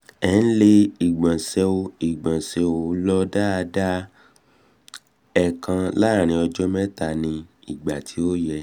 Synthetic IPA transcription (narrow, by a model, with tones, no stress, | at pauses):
ɛ˦n̩˦le˦i˨ɡ͡bã˨sɛ˧o˧i˨ɡ͡bã˨sɛ˧o˨˦lɔ˦da˦a˧da˦ | ɛ˨kʰã˧la˦˨ɾ̃ĩ˧ɔ˧d͡ʒɔ˦mɛ̃˦ta˧˨nĩ˧i˨ɡ͡ba˨tʰi˨˦o˦jɛ˧